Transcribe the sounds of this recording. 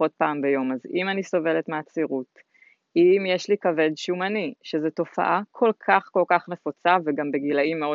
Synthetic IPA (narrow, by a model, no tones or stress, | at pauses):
ot̚paːmbejo̞mazimaniso̞ve̞letmeat͡siʁut | imjeʃlikave̞dʃumaniʃezeto̞fa̰ʔakʰo̞lkʰaχko̞lkaχne̞fot͡saveɡambe̞ɡilaimːeo